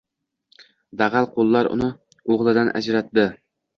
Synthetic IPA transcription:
d̪æʁælˠqʰolˠːɑɾʊ̰nɨ | oʁlˠɨd̪ɑnʔæ̰d͡ʒɾæt̪d̪ɪ

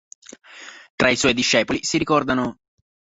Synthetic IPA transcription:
t̪ɾaiswɔjd̪iʃːɛːpolisiɾikɔrd̪ano

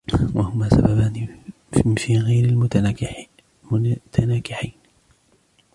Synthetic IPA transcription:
wahʊmaːsa̰babaːn | fiːɣajɾɪl | mʊt̪ʰanaːkɪħiːn

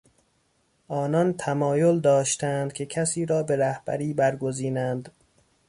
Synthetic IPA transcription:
ʔɒːnɒnt̪ʰæmɒːjold̪ɒːʃt̪ænd̪̥̚kʲʰe̞kʰæsiːɾɒːbe̞ɾæhb̥æ̰ɾiːbæɾɡoziːnænd̪

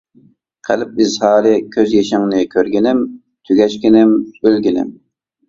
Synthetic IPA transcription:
qʰəlɪp̚ɪzhɑːɾɪkʲʰøzjeʃɪŋnɪkʲʰøɾɡʲɪnɪm | t̪ʰyɡʲɛʃkʲɪnɪmbølɡʲɪnɪ̰m

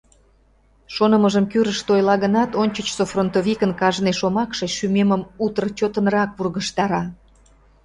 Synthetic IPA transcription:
ʃonəməʒəmkyɾəʃt̪ojlɑɣənɑt̪onʲt͡ɕət͡ɕsofront̪ovʲikənkɑʒneʃomɑkʃeʃymeməmut̪ərt͡ɕot̪ənrɑkpurɣəʃt̪ɑɾɑ

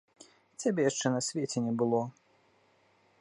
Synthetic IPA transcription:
t͡sʲabʲejaʂt͡ʂɛnɐsʲvʲet͡sʲɛnʲɛbɨlˠɔ

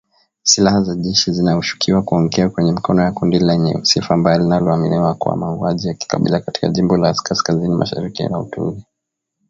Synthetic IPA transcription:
silahazaʄɛʃizinahuʃu̥kʰiwakuɔŋɡɛakwɛɲɛmikɔnɔjakundilɛɲɛ̰usifaːmbajɔlinalɔaminiwakuwa̰mauaʄijaki̥kaɓḭlakati̥kaʄimbɔlaskaskazinima̰ʃa̰ɾikḭna̰ṵtuṵli

